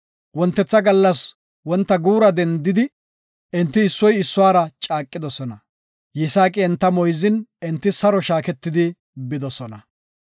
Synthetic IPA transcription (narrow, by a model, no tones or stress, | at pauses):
wɔnt̪ːɛt͡sːɐɡɐlːɐs | wɔnt̪ːɐɡuːɾɐd̪ɛnd̪ɪd̪ɪ | ʔɪnt̪ːɪːsːɔjɪsːʊwaːɾɐt͡ʃʼaːkʼːɪd̪ɔsɔnɐ | jɪsaːkʼɪɛnt̪ːɐmɔjzɪnɛnt̪ːɪsɐɾɔʃaːkɛt̪ːɪd̪ɪ | bɪd̪ɔsɔnɐ